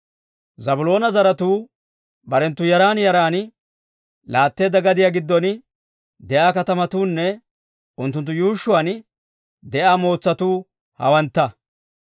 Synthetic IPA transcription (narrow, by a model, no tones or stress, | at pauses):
zɐbʊlo̞ːnɐzɐɾɐt̪uː | bɐɾɛnt̪ːʊjɐɾaːnjɐɾaːn | laːt̪ːe̞ːd̪ːɐɡɐd̪ɪjaːɡɪd̪ːɔn | d̪ɛʔaːkɐt̪ɐmɐt̪uːnːɛ | ʊnt̪ːʊnt̪̬ːʊjuːʃːʊwɐn | d̪ɛʔaːmo̞ːt͡sːɐt̪uː | hɐ̰wɐnt̪ːɐ